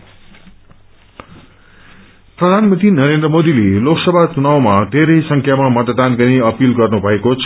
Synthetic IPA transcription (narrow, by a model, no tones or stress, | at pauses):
prʌd̪ʱanmʌ̃nt̪rinʌɾend̪rʌmod̪ileloksʌbʱat͡sunawmad̪ʱeɾʌjsʌŋkʰjamamʌt̪d̪anɡʌniʌpilɡʌrnubʱʌekot͡sʰʌ